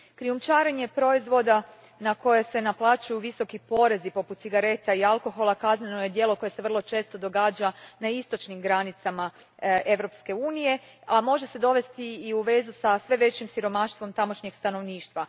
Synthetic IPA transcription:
kɾiumt͡ʃaːɾeɲe̞pɾo̞izʋo̞d̪a | nako̞jese̞naplˠaːt͡ʃajuʋiso̞kipo̞ɾe̞zipo̞put̪siɡaɾe̞t̪aialˠko̞xo̞lˠakaznenoje̞d̪je̞ːlˠoko̞je̞se̞ʋr̩lˠo̞t͡ʃe̞ːst̪o̞d̪o̞ɡaːd͡ʒanaist̪o̞t͡ʃnimɡɾanit̪sama | e̞ʋɾo̞pske̞uːnije̞ | amo̞ʒe̞se̞d̪o̞ʋe̞st̪iːuʋe̞zusasʋe̞ʋe̞t͡ɕimsiɾo̞maʃt̪ʋo̞mt̪amo̞ʃɲe̞ɡ̥st̪ano̞ʋniːʃt̪ʋa

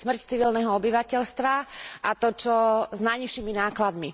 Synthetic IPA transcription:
smr̩ct͡siʋilnɛɦɔɔbiʋacɛʎst̪ʋaʔat̪ɔt͡ʃɔznajɲiʃiːminaːklad̪mi

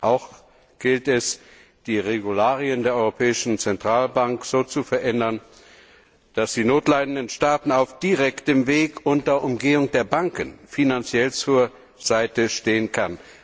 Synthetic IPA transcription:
ʔaʊx | ɡ̥ɪltɛs | d̥iːʁeɡulaːʁiəndeːɐɔʏʁopʰɛːɪʃn̩t͡sɛntʁ̥aːlbaŋkz̥oːt͡sufɛɐʔɛndɐn | d̥asd̥iːnoːtlaɪdn̩dənʃtaːtn̩aʊfd̥iʁɛktəmveːkʔʊntɐʔʊmɡeːʊŋd̥eːɐbaŋkənfinant͡sjɛlt͡suːɐ | z̥aɪtəʃteːənkʰan

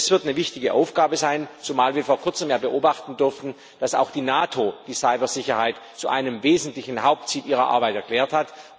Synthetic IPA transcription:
sv̥ɪɐtnəvɪçtɪɡəʔa̰ʊfɡ̥aːbəzaɪnt͡somaːlviːɐfoːɐkʰʊɐt͡səmjaːbəʔoːbaχtn̩dʏɐftn̩ | d̥asa̰ʊxd̥iːnaːtʰod̥iːsaɪbɐzɪçɐhaɪt | t͡suʔa̰ɪnəmveːzn̩tlɪçn̩haʊp̚tt͡siːlʔiːʁ̞ɐʔa̰ɐbaɪtɛɐkl̥ɛːɐthat

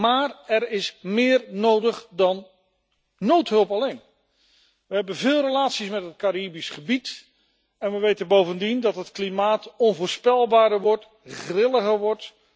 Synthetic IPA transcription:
maːrɛɹɪsmɪːɹnowdəχdɑnː | owtɦɵlˠpɑlejn | ʋəɦɛbənvɪːlˠrəlaːtsismɛtɦət̚kaɾiːbisχəbit | ɛnʋəʋejtənbowvəndindɑtɦətklimaːtɔnvʊːɹspɛlˠbaːɾəɹʋɔɹt | χrɪləχəɹʋɔɹt

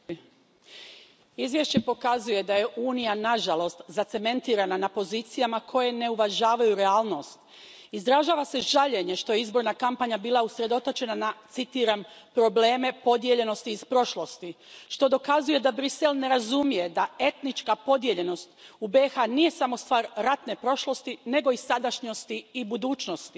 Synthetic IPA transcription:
izʋje̞ʃt͡ɕe̞po̞kazuje̞d̪aje̞ʔuːnijanaʒalˠo̞st̪zat̪se̞me̞nt̪iːɾananapo̞ziːt̪sijamakʰo̞je̞ne̞uʋaʒaːʋajuɾeaːlˠno̞st̪ | izd̪ɾaʒaːʋase̞ʒaʎe̞ɲe̞ʃt̪o̞jeizbo̞ɾnakampaɲabiːlˠausɾe̞d̪o̞t̪ot͡ʃe̞nanat̪sit̪iːɾampɾo̞ble̞ːme̞po̞d̪je̞ʎe̞no̞st̪iːspɾo̞ʃlˠo̞st̪iʃt̪o̞d̪o̞kazuje̞d̪abɾise̞lne̞ɾazumije̞d̪ae̞t̪nit͡ʃkapo̞d̪je̞ʎe̞no̞st̪ubexanije̞samo̞st̪ʋaːɾːat̪ne̞pɾo̞ʃlˠo̞st̪ine̞ɡo̞isad̪aʃɲo̞st̪iibud̪uːt͡ʃno̞st̪i̥

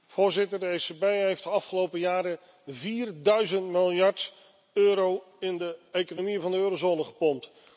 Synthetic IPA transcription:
v̥ʊːɹzɪtəɹdəesebejɦejftdəɑfχəlowpəjaːɾə | viːrdœɥzəntmɪlˠjɑɹt | øːɾow | ɪndəejkonomivɑndəøːɾozoːnəχəpɔmt

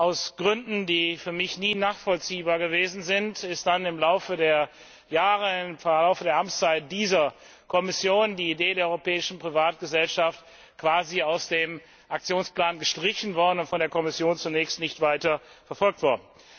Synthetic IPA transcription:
ʔaʊsɡ̥ʁʏndn̩diːfyːɐmɪçniːnaːχfɔlt͡siːbaːɐɡəveːzn̩zɪntɪst̚d̥anɪmlaʊfədeːɐ | jaːʁəfɛɐlaʊfədeːɐʔamt͡saɪt̚d̥iːzɐ | kʰɔmɪsjoːndiːideːdeːɐɔʏʁopɛːɪʃn̩pʁ̥ivaːt̚ɡ̥əzɛlʃaft | kv̥aːziaʊsd̥eːm | ʔak̚t͡sjoːnspl̥aːnɡəʃtʁ̥ɪçn̩vɔɐdn̩ʊntfɔndeːɐkʰɔmɪsjoːnt͡sunɛːçstnɪçtv̥aɪtɐ | fɛɐfɔlk̚tv̥ɔɐdn̩

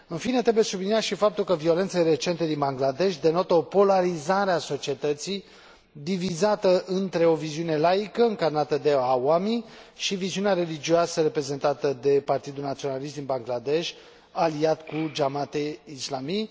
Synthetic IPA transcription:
ɨnfine̞t̪ɾebujesubliniaʃifapt̪ulkəvio̞lent̪sejre̞t͡ʃe̞nt̪e̞d̪inbaŋɡlad̪e̞ʃʲd̪e̞no̞t̪əo̞po̞laɾizaɾeaso̞t͡ʃie̞t̪ət̪sij | d̪ivizat̪əʔɨnt̪ɾe̞o̞viziune̞lajikəɨŋkarnat̪əd̪e̞awamiʃiviziuneaɾe̞lid͡ʒioasəɾe̞pɾe̞ze̞nt̪at̪əd̪e̞part̪id̪ulnat̪sio̞nalist̪d̪inbaŋɡlad̪e̞ʃʲ | aliat̪kud͡ʒamat̪eislamij

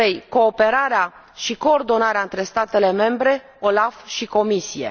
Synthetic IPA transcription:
ejko̞ːpe̞ɾaɾea | ʃiko̞ːrd̪o̞naɾeaɨnt̪ɾe̞st̪at̪e̞le̞me̞mbɾe̞ | o̞lafʃiko̞misije̞̰

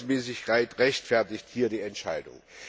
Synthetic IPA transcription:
smɛːsɪçkʰaɪtʁɛçtfɛɐtɪçthiːɐdiːɛntʃaɪdʊ̰ŋ

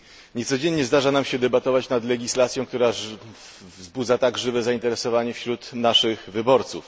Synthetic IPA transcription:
ɲɛt̪sɔd͡ʑɛɲɲɛzd̪aʐanamɕɛd̪ɛbat̪ɔvat͡ɕnad̪lɛɡʲislat̪sʲjɔ̃w̃kt̪uɾa | vzbud̪zat̪aɡʐɘvɛzaint̪ɛɾɛsɔvaɲɛfɕɾut̪naʂɘxvɘbɔɾt̪suf

